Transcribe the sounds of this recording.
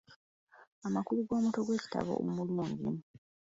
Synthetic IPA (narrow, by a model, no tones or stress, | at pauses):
amakuluɡo̞ːmuto̞ɡwe̞ːci̥ta̰βo̞̰ʔo̰mulimomulḭmu